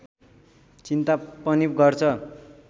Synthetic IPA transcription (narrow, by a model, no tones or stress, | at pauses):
t͡sint̪apʌnipɡʌrt͡sʰʌ